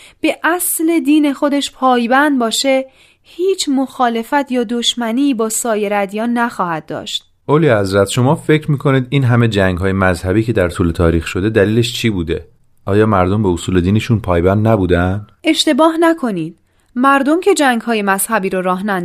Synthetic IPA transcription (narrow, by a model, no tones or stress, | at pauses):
b̥e̞ʔæsle̞d̪iːne̞xo̞d̪e̞ʃpʰɒːjbænd̪̚bɒːʃe̞ | hiːt͡ʃʰmoxɒːle̞fæt̪ʰjɒːd̪oʃmæniːbɒːsɒːje̞ɾæd̪ijɒːnːæxɒːhæd̪̚ːɒ̰ːʃt̪̚ | ʔolihæzɾæt̪ʃo̞mɒːfe̞cʰɾmiːkʰo̞niːd̪iːnɦæme̞d͡ʒæŋɡɦɒːjemæzhæbiːcʰe̞d̪æɾt̪ʰuːle̞t̪ʰɒːɾiːxʃo̞d̪e̞d̪æliːle̞ʃt͡ʃʰiːbuːd̪e̞ | ʔɒːjɒːmæɾd̪ombeosuːle̞d̪iːneʃunpʰɒːjbænd̪næbuːd̪æn̥ʔe̞ʃt̪e̞bɒːɦnækʰo̞niːd̪̥ | mæɾd̪o̞mcʰe̞d͡ʒæŋɡhɒːje̞mæz̥hæbiːɾoɾɒːɦnæ